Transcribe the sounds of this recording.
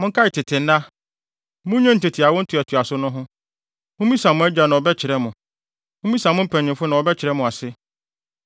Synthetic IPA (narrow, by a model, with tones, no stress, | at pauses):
mʊ̃˦ŋ˦kʰa˦ɪ˨tʰɪ˨tʰɪ̃˨n̩˦na˦ | mʊ̃˦ɲɛ̃˦n̩˨te˨tʰɪ˨a˨wɔ̃˦n̩˦tʰu˨æ˨tʰu˨a˨sʊ˦nʊ̃˦ɦʊ̃˦ | mʊ̃˦mĩ˦sã˨mʊ̃˦æ˦d͡ʑᶣa˨nã˨ɔ˨bɛ˦t͡ɕʰɪ˨ɾɛ˦mʊ̃˨ | mʊ̃˦mĩ˦sã˨mʊ̃˦m̩˦pʰɛ˨ɲ˨ɪ̃˨fʊ˦nã˨ɔ˨bɛ˦t͡ɕʰɪ˨ɾɛ˦mʊ̃˨a˨sɪ˦